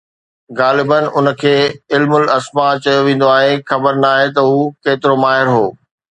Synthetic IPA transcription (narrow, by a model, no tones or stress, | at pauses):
ɣaːlɪbənɪ̆ʔʊnə̆kʰeːɪlmʊlɐsmat͡ɕɐjoʋẽːn̆d̪oaːɦexɐbəɾnaːɦet̪ɐɦuːkeːt̪ɪɾomaːɦɪɾɦoː